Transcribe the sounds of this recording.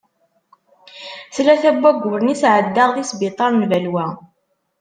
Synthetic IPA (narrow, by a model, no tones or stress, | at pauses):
θlæθæbːæɡʊɾnisʕəd̪ːaʁðisbit̪ˤɑɾnvælwæ